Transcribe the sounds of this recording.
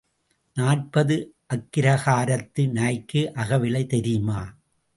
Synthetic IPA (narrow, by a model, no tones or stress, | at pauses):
naːʈ̚pɐðɯʔɐkːɪɾɐɣaːɾɐt̪ːɯnɐɐɪkːɯʔɐɣɐʋɪlɐɪt̪ɛɾɪjmaː